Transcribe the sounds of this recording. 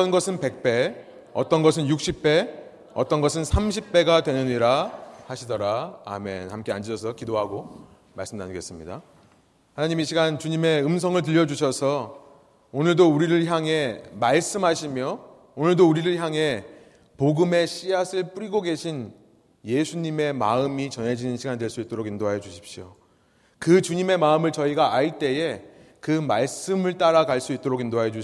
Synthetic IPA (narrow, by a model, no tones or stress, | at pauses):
ʌnɡʌsʰɯnpe̞k̚p͈e̞ | ʌ̰t͈ʌnɡʌsʰɯnjuk̚ɕ͈ʰip̚p͈e̞ | ʌ̰t͈ʌnɡʌsʰɯnsʰamɕʰip̚p͈e̞ɡadwe̞nɯniɾahaɕʰidʌɾaa̰me̞̰nhamk͈e̞and͡ʑiɕʰʌs̬ʰʌkidoɦaɡo | ma̰ɭs͈ɯmna̰nɯɡe̞s͈ɯmɲida̰ | hanaɲimiɕʰiɡant͡ɕuɲime̞ɯms̬ʰʌŋɯɭt̬ɯʎːʌd͡ʑuɕʰʌsʰʌ | onɯɭdouɾiɾɯɭçjaŋɦe̞maɭs͈ɯmɦaɕʰimjʌ | onɯɭdouɾiɾɯɭçjaŋe̞ | poɡɯme̞ɕ͈iasʰɯɭp͈uɾiɡoɡe̞ɕʰin | je̞sʰuɲime̞ma̰ɯmit͡ɕʌnɦe̞d͡ʑinɯnɕʰiɡandweɭs͈uit̚t͈oɾoɡindoɦajed͡ʑuɕʰi̥p̚ɕ͈io̰ | kɯt͡ɕuɲime̞maɯmɯɭt͡ɕʌiɡaʔait͈e̞e̞ | kɯmaɭs͈ɯmɯɭt͈aɾakaɭs͈uit̚t͈oɾoɡindoaɦed͡ʑu